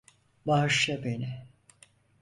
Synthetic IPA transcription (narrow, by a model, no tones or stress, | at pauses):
baɦɯʃlabenɪ